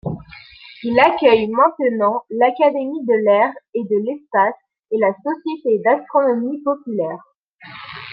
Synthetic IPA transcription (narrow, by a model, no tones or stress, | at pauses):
ilakʲœjmɛ̃t̪ənɑ̃lakad̪emid̪əlɛʁed̪əlɛspas | elasɔsjet̪ed̪ast̪χɔnɔmipɔpylɛːʁ